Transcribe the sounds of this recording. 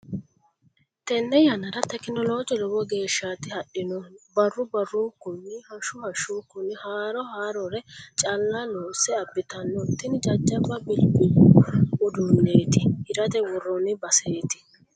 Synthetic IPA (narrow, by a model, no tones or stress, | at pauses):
t̪ɛnːɛjɐnɐɾɐt̪ɛkːɪnɔloːd͡ʒɔlɔbɔɡe̞ːʃːat̪ɪhɐɗɪnɔbɐrːʊbɐrukːʊnːɪhɐʃʊhɐʃuːkːʊnːɪhaːɾɔhaːɾɔɾɛt͡ʃʼɐlːɐnoːsɛɐbːɪt̪ɐnːɔt̪ːɪnd͡ʒɐd͡ʒːɐbɐbɪlbʊwʊʊd̪ʊnːe̞ːt̪ɪhɪɾɐt̪ɛwɔrːɔnɪbɐseːt̪ɪ̥